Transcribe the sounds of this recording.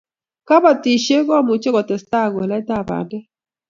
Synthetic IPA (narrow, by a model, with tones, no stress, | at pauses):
ka˦ba˨ti˨ʃe˦ɣɔ˦mʊ˨t͡ʃe˦ɣɔ˨tɛ˨sta˦˨ɡo˨lɛ˦ta˦˨ba̰˨dɛ˦